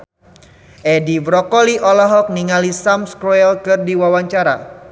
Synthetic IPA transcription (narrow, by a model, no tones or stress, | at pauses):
ʔedibɾɔkɔliʔɔlɔɦɔk̚niŋalisamskɾɔɛlkɨrdiwawaɲt͡ʃaɾa